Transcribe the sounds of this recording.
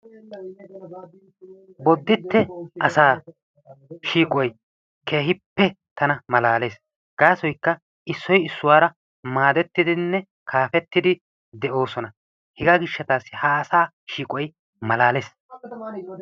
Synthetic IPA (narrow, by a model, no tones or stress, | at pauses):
bɔd̪ːɪt̪ːɛʔɐsaː | ʃiːkʼɔj | kʰe̞ːɦɪpːɛ | t̪ʰɐnɐmɐlaːle̞ːs | ɡ̥aːsɔjkːɐ | ɪsːɔjɪsːʊwaːɾɐ | maːd̪ɛt̪ːɪd̪ɪnːɛ | kʰaːfɛt̪ːɪd̪ɪ | d̪ɛʔo̞ːsɔnɐ | hɪɡaɡɪʃːɐt̪aːsːɪhaːsaː | ʃiːkʼɔj | mɐlaːleːs